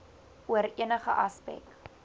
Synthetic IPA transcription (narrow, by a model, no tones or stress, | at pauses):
uəɾiənəχəʔɐspɛ̰k